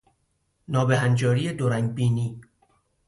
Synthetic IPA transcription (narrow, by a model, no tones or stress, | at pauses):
nɒːbeɦænd͡ʒɒːɾiːed̪oɾæŋbiːniː